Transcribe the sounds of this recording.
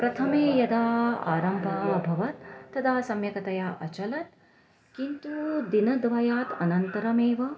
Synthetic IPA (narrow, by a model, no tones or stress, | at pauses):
pɾɐt̪ʰɐmeːjɐd̪aːa̰ːɾɐmbʱɐbʱɐʋɐt̪̚ːɐt̪ʰaːsɐmjɐkɐt̪ɐjaːʔɐt͡ʃɐlɐt̪̚ | kint̪ud̪inɐd̪ʋɐjaːt̪ɐnɐnt̪ɐɾɐmeːʋɐ